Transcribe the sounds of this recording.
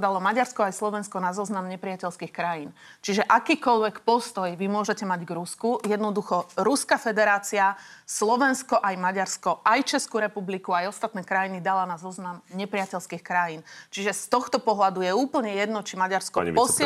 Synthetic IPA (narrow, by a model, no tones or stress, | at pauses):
d̪alɔmaɟaɾskɔajslɔʋɛnskɔnazɔznamɲɛpɾɪacɛlskixkɾajint͡ʃiʒɛʔakiːkɔʎʋɛkpɔst̪ɔjʋimʊɔʒɛcɛmaɟɡɾuskujɛd̪nɔd̪uxɔɾuskafɛd̪ɛɾaːt͡siaslɔʋɛnskɔʔajmaɟaɾskɔʔajt͡ʃɛskuɾɛpublikuajɔst̪at̪nɛːkɾajinid̪alanazɔznamɲɛpɾɪacɛlskiːxkɾajint͡ʃiʒɛst̪ɔxt̪ɔpɔɦlad̪ujɛuːpl̩ɲɛjɛd̪nɔt͡ʃimaɟaɾskɔ̰pɔs